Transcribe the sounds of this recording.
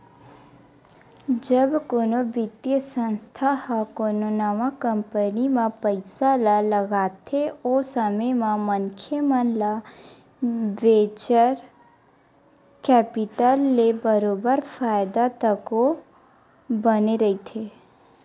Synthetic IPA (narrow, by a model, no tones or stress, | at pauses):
d͡ʒəbkoːnobɪt̪jəsə̃nst̪ʰahakoːnonamakə̃mpənimãpəɪsalaləɡaːt̪ʰeosəməjmãməŋkʰjəmənla | ʋeːt͡ʃəɾ | kɛːpɪʈəlːebəɾoːbəɾfaːjd̪at̪əko | bəneɾɐit̪ʰeː